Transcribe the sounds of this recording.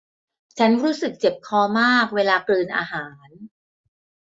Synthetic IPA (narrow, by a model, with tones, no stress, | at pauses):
t͡ɕʰa˦˥nɾuː˦˥sɯ˨˩k̚t͡ɕe˨˩p̚kʰɔː˧˩maː˥˩k̚weː˧laː˧klɯː˧nʔa̰ː˧ɦaː˩˦n